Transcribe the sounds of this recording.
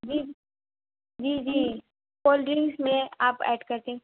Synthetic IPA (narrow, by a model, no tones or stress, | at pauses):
d͡ʒiː | d͡ʒiːd͡ʒiː | koːlɖɾɪ̃ŋsmẽaːpɛ̰ːɖkɐɾt̪eɦɛ̃ː